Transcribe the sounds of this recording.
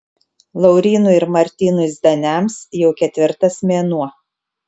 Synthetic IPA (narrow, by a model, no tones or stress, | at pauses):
lˠɐɒʊɾʲiːnʊɪɾmɐɾʲt̪ʲiːnʊzʲd̪ʲɐnʲæˑmsjɛʊkʲɛt̪ʲʋʲɪɾt̪ɐsmʲeːnuɔ